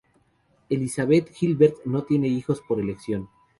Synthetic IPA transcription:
e̞lisaβe̞t̪xilβeɾt̪no̞t̪je̞ne̞ixo̞spo̞ɾe̞le̞ksjo̞n

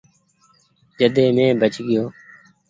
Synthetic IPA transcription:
d͡ʒəd̪eːmẽːbət͡ʃɡɪjoː

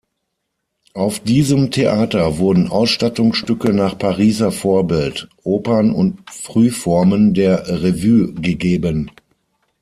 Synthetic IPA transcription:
ʔaʊfd̥iːzəmtʰeʔaːtɐvʊɐdn̩ʔa̰ʊsʃtatʊŋsʃtʏkənaːχpʰaʁiːzɐfoːɐbɪltʔoːpɐnʊ̰ntfʁ̥yːfɔɐməndeːɐʁevyːɡəɡeːbən

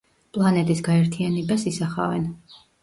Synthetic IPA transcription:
pʼlˠanɛt̪ʼisɡaɛɾt̪ʰianɛbasisaχa̰vɛ̰n

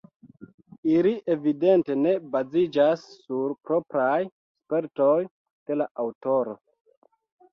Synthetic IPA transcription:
iliʔe̞vide̞nte̞ne̞bazid͡ʒasːuɾpɾo̞pɾaj | spe̞ɾtoj | d̥e̞laʔawto̞ɾo̞̰

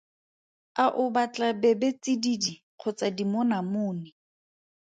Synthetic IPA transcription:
aʔʊbat͡ɬʼabɛbet͡sididi | q͡χʰʊt͡sadimʊnamʊːnɪ

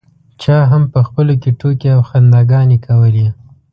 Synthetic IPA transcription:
t͡ʃɑɦampəxpəlokeʈʰokeawxand̪aɡɑnekʰawəli

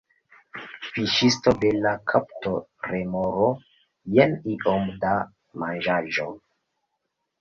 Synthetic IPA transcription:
fiʃistode̞lakʰaptoɾemoɾo | jeniʔomda | mand͡ʒaʒo̞

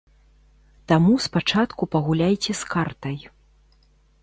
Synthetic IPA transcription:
t̪amuspat͡ʂat̪kupɐɣulʲajt͡sʲɛskart̪ɐj

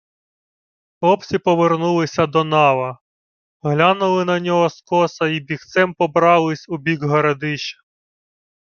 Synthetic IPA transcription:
ɔpsʲipɔʋernulˠɪsʲɐd̪ɔnɑʋɐ | ɦlʲanʊlˠɪnɐnʲɔɦɔskɔsɐibʲixt̪sɛmpɔbɾɑlˠɪsʲubʲiɡɦɔɾɐd̪ɪʃɐ̥

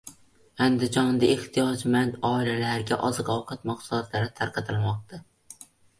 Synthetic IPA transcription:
and̪ɪd͡ʒɒnd̪aeht̪ʰijɒd͡ʒmand̪ɒːilalaɾɡʲaʔɒzqɒwqʰɑt̪mɑqslɒt̪laɾɪt̪ʰaɾqʰɑt̪ʰɪlˠmɒq̚t̪ʰa

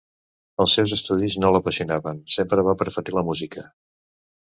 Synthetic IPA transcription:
əlˠsɛwzəst̪uðiznoləpəsiunaβənsempɾəβapəɾfət̪iləmuzikə

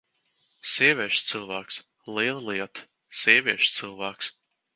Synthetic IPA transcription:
sʲiɛvʲiɛʃst̪sɨlˠvæːks | lˠiɛlˠɨliɛt̪ | sʲiɛvʲiɛʃt̪sɨlˠvæːks

